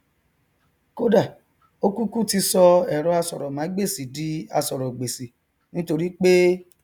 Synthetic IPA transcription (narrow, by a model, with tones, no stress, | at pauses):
ko˦da˦˨ | o˦ku˦ku˦ti˧sɔ˧ɛ˨ɾɔ˧˦a˧sɔ˨ɾɔ˨mã˨˦ɡ͡be˦˨si˨di˨˦a˧sɔ˨ɾɔ˨ɡ͡be˨si˨ | nĩ˦to˧ɾi˦k͡pe˦